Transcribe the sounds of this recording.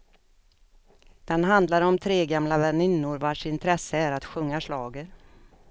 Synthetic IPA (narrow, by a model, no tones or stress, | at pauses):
d̪̥ɛnɦand̪laɾɔmt̪ʰɾeːɡamlavɛnɪnːʊɾvaʂɪnt̪ʰɾɛsːəæɾat̪ɧɵŋːaʂɭɑːɡəɾ